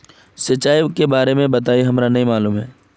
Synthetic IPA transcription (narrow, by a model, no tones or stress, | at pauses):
sɐt͡ʃːaːikebaːɾemẽbɐt̪aːiɦɐmɾanɐɦĩmaːluːmɦɛː